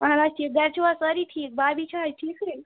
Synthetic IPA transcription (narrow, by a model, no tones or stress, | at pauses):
məɦãɾaːd͡ʒt͡ʃiːk̚ɡɐɾt͡ʃʰiʋasəɾiʈʰiːk̚babit͡ʃʰajʈʰiːkə